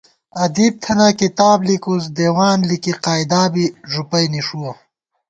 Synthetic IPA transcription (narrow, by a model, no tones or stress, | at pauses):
ɐd̪iːb̚t̪ʰɐnakit̪aːblikuz̬d̪eːwaːnlikiqaːjd̪aːbiʐupɐjniʂuwɐ